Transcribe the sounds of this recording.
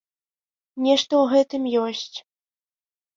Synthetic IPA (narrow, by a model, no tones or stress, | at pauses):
nʲɛʂt̪ɔuɣɛt̪ɨmjɔsʲt͡sʲ